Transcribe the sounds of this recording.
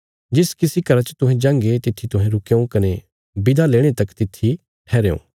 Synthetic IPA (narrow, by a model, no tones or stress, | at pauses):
d͡ʒɪskɪsikɐɾat͡ʃt̪ʊɦɛ̃d͡ʒãːŋɡet̪ɪt̪ʰːit̪ʊɦɛ̃ɾʊkeõkɐne | bɪd̪ʱaleːɽ̃et̪ɐkt̪ɪt̪ʰːi | ʈʰɛːɾeõ̰ː